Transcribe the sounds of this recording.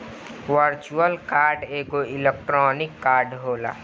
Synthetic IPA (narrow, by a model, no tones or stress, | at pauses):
ʋəɾt͡ʃuəlkaːɾɖeːɡoɪlek̚ʈɾɔːnɪkːaːɾɖɦoːla̰ː